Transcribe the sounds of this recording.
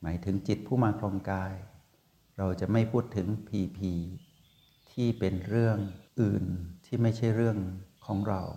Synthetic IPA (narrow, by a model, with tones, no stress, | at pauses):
maː˩˦jt̪ʰɯ˩˦ŋt͡ɕi˨˩t̪̚pʰuː˥˩maː˧kʰloː˧ŋkaː˧j | ɾa˧wt͡ɕa˨˩ʔma˥˩jpʰuː˥˩t̪ʰːɯ˩˦ŋpʰiː˧pʰiː˧ | t̪ʰiː˥˩pe˧nɾɯ˥˩əŋʔɯː˨˩nt̪ʰiː˥˩ma˥˩jt͡ɕʰa˥˩jɾɯ˥˩əŋkʰɔː˩˦ŋɾa̰˧w